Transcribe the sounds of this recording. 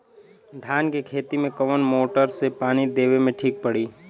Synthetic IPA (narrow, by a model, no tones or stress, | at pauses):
d̪ʱaːnkekʰeːt̪imẽkɐʋənmoːʈəɾsepaːñid̪eːʋemẽʈʰiːk̚pəɽiː